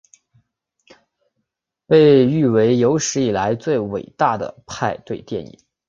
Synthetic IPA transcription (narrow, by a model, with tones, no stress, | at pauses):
pe˥˧ɪy˥˩we˧˥ɪjo˧˥ʊʂɻ̩˧˥i˨˩la˧˥ɪt͡swe˥˩ɪwe˨˩ɪt̪a˥˩d̪ə̰˩pʰa˥˧ɪt̪we˥˧ɪt̪jɛ˥˩nḭ˨˩˦ŋ